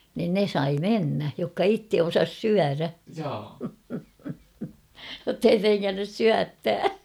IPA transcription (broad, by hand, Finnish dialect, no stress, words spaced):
nin ne sɑi menːæ jokːɑ itːe osɑs syæræ jotːei treŋːænːys syætːæː